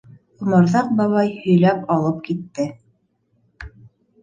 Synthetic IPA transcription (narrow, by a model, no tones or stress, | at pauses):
ŭmɤɾðɑq̚bɑβɑjhɵ̆jlæpɑlˠɤp̚kit̪ːɘ